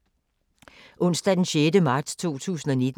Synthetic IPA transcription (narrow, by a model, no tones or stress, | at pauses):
ʔɔ̽n̰sd̥æd̥enɕeːdəmɑ̈ːd̥st͡sʰo̝̰ːt͡sʰṵːsn̩ɒned̥